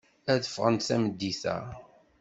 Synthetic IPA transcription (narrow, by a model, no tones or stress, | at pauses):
æðəfʁənt̪θæməd̪ːiθæ̰